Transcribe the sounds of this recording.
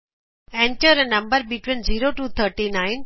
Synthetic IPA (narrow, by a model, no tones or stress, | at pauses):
ɛ̃ɳʈəɾənɐ̃mbəɾɓiʈʋɪnziːɾoʈuːt̪ʰəɾʈinãːɪn